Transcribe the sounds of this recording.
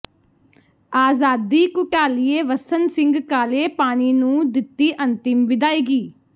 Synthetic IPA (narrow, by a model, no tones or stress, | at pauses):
aːzaːd̪iːkʊʈaːlieːʋəsənsɪ̃ŋɡkaːleːpaːniːnũːd̪ɪt̪ːiːʔənt̪ɪmʋɪd̪aːiːɡiː